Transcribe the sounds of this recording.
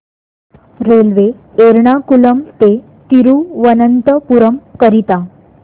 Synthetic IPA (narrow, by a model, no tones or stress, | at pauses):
ɾelʋe | eɾɳ̃akuləmt̪e | t̪iɾuːʋənənt̪əpuɾəmkəɾit̪a